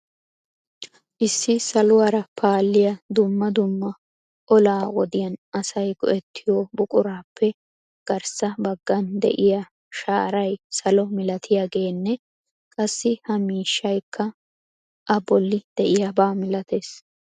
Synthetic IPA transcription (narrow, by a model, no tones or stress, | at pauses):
ʔɪsːɪsɐlʊwaːɾɐpʰaːlːɪjɐd̪ʊmːɐd̪ʊmːɐ | ʔɔlaːwɔd̪ɪjɐnʔɐsɐjɡɔɛt̪ʰːɪjobʊkʼʊɾaːpʰːɛ | ɡ̥ɐɾsɐbɐɡːɐnd̪ɛ̰ʔɪja | ʃaːɾɐjsɐlɔmɪlɐt̪ʰɪjaɡe̞ːnːɛ | kʼɐsːɪhɐmiːʃːɐjkʰːɐ | ʔɐbɔlːɪd̪̥ɛʔɪjabaːmɪlɐt̪e̞ːs